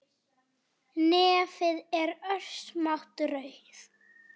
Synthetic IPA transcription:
nɛːfɪðɛɾœɾ̥smaht̪rœɥθ

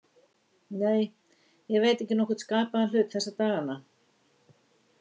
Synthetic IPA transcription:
neːj | jɛɣveːjt̪ɛhcːɪnɔhkʏɾt̪skaːpaðanl̥ʏːt̪θɛsːat̪aːɣana

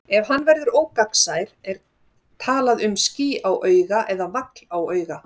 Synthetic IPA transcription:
ɛv̥ɦanːvɛɾðʏɾoːwkaksajɾ̥ɛɾ̥ | t̪ʰaːlaðʏmsciːʔawʔœːɥɣaʔɛðavaklawœːɥɣa

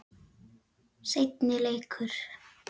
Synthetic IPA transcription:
sejt̪nɪlejkʰʏɾ̥

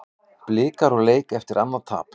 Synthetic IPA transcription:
plɪːkaɾɔɣleːjkɛft̪ɪɾanːat̪ʰa̰ːp

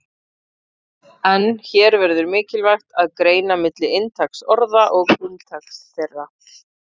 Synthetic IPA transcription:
ɛnçɛːɾvɛɾðʏɾmɪːcɪlvajxt̪aðkɾeːjnamɪt̪lɪɪnt̪ʰaksɔɾðaʔɔɣʏnt̪ʰaksθerːa

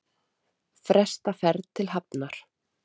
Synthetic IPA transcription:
fɾɛst̪afɛɾðt̪ʰɪlɦap̚naɾ̥

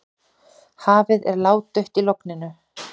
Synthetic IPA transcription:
haːvɪðɛ̰ɾlaːwt̪œɥht̪ilowknɪnʏ

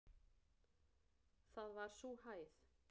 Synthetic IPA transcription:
θaðvaɾ̥suhaːjθ

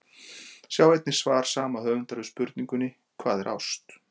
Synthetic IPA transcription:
sjawɛjt̪nɪ̥svaːɾ̥saːmahœnt̪aɾʏspʏɾt̪niŋkʏnːɪ | kʰvaːðɛɾʔa̰wst̪

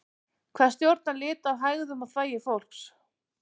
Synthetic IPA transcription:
kʰv̥ɛ̥st̪jowɾt̪̚nalɪːt̪aðɦajɣðʏmaðθvaːjɪfowl̥ks

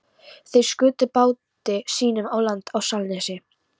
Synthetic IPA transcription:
θejskʏːt̪ʏpaːwt̪ɪsiːnʏmawlant̪awsalnɛsɪ

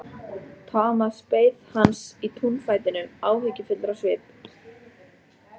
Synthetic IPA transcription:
t̪ʰaːmaspeːjðhansit̪ʰunfaːjt̪ɪnːʏmaːwɦɪcɪfɪt̪lɾasvɪːp

